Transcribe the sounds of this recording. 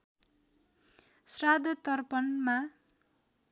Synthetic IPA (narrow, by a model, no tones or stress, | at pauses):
srad̪ʱʌt̪ʌrpʌnma